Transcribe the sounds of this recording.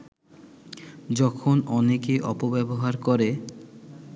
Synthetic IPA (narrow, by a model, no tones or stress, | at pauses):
d͡ʑɔkʰonɔnekeʔɔpobɛboɦaɾkɔɾe